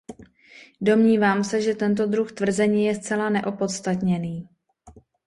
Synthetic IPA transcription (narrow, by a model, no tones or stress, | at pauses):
do̞mɲiːvaːmsɛʒɛt̪ɛnt̪̬o̞d̪ɾuxt̪vr̩zɛɲiːjɛst͡sɛlanɛʔo̞po̞t̪st̪at̪ɲɛniː